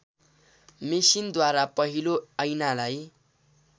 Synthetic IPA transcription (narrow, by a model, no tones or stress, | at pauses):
misind̪waɾapʌɦiloʌjnalaj